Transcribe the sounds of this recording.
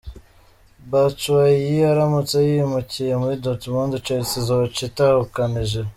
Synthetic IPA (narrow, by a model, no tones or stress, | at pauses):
bat͡ʃuwajiaɾamut͡sejimucijemuɾidotumondut͡ʃeɾt͡sizot͡ʃitahukaniʒe